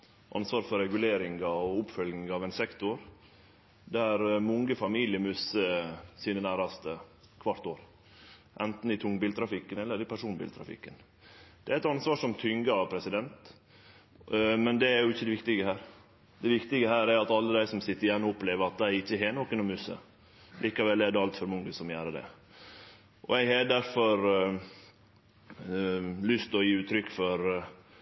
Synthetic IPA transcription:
ʔɑ̰nsʋɑːɾfɔɾɛɡʉleːɾɪŋɑɔʊpfœlɡnɪŋɑʋænsɛkt̪ʊɾ | d̪æɾmɔŋɡəfɑmiːlɪəmʉsəsiːnənæːɾɑst̪ə | kʰʋɑɾt̪oːɾ | ʔɛnt̪n̩ɪt̪ʰʊŋbiːlt̪ʰɾɑfɪkːənɛlːəɾɪpʰæʂuːnbḭːlt̪ʰɾɑ̰fɪ̰kːən | d̪̥ɛæɾɛt̪ɑnsʋɑːʂɔmt̪ʰʏŋɡɑpʰɾɛsɪd̪ɛnt̪ | mɛnd̪ɛæɾjʊɪçːəd̪ɛʋɪk̚t̪ɪɡəhæːɾ | d̪ɛʋɪkt̪ɪɡəhæːɾæɾɑt̪ɑlːəd̪æɪsɔmsɪt̪ːəɾɪjɛnːɔɔpːleːʋəɾɑt̪̚d̪ɛæɾɪçːəɦeːnɔkːənɔmʉsə̰ | lʔiːkɑʋɛlːɛdɛɑlt̪fœɾmʊŋɡəsɔmjæːɾəd̪ɛ̰ | ʔɔ̰ɛɡhɛd̪æɾfɔɾ | lʏst̪ɔjiːʉːt̪ʰɾʏkːfɔɾ

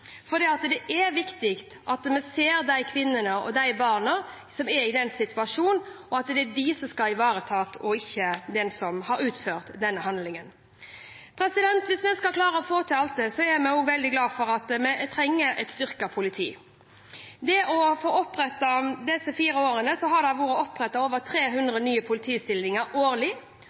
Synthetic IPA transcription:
fɔd̪iːɑt̪d̪ɛʔæʋɪkt̪ɪkt̪ʔɑt̪mɛseːɾd̪æɪkʰʋɪnːənəɔ̰d̪æɪbɑːʁnə | sɔmɛɾɪd̪ɛnsɪt̪ʰʉɑʂuːnɔɑt̪d̪ɛædɪsɔmskɑlɪʋɑːɾət̪ʰɑːt̪ʰɔɪçːəd̪ɛnsɔmhɑɾʉːt̪føːʁt̪d̪ɛnːəhɑnd̪lɪŋən | pʰɾɛsɪd̪ɛnt̪ʋɪsmɛnskɑlkʰlɑːɾəɔfoːt̪ʰɪɑlt̪̚d̪ɛsɔɛɾmɛoːʋɛld̪ɪɡlɑːfɔɾɑt̪mɛt̪ʰɾɛŋːəʔɛ̰t̪st̪ʏʁkɑpʰʊlɪt̪ʰiː | d̪ɛʔɔfoːɔpɾɛt̪ːɑd̪ɛsːəfiːɾəoːɾənəsɔɦɑd̪ɑʋuːɾəɔpːʁɛt̪ːɑoːʋəɾt̪ʰɾeːɦʉnd̪ʁənyːəpʰʊlɪt̪ʰiːst̪ɪlnɪŋəɾoːɾlɪ

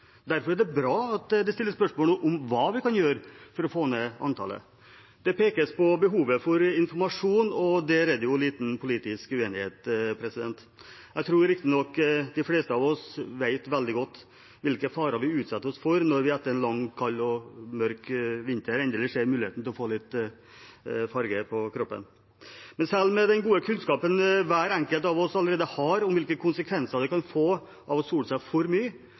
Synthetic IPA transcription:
d̪æɾfɔɾæɖɛbɾɑːɑt̪d̪ɛst̪ɪlːəspœʂmoːləʔʊmʋɑːʋɪkɑnjøːɾfɔɾɔfoːɛnːəɑ̰nt̪ʰɑ̰ːlə̰ | d̪̥ɛpeːkəspɔbəɦuːʋəfɔɾɪnfɔɾmɑʂuːnɔd̪ɛɾɛd̪ːəjʊliːt̪n̩pʰʊliːt̪ɪskʉeːnɪheːt̪pʰɾɛsɪd̪ɛnt̪ | jæt̪ʰɾuːɾɾɪk̚t̪ɪnɔkːd̪ɪfleːst̪əɑʋɔsʋæɪt̪ʋɛld̪ɪɡɔt̪ː | ʋɪlkəfɑːɾɑɾʋɪʉːt̪sɑt̪ːəɔsfɔɾnɔɾʋɪæt̪ːəɾɛnlɑŋkʰɑlːɔmœɾkʋɪnt̪əɾɛnd̪ɛlːəʂeːɾmʉːlɪeːt̪n̩t̪ʰɪlɔfoːlɪt̪ː | fɑɾɡəpʰɔkʰɾɔpːə̰n | mɛnsɛlːmɛd̪ɛnɡuːəkʰʉnskɑːpənʋæːɾɛŋkəlt̪ɑʋɔsɑlːəɾeːd̪əhɑɾɔmʋɪlkəkʰʊnsəkʰʋɛnsəɾd̪ɛkɑnfoː | ʔɑʋɔsuːləsæɪfɔɾmyːə

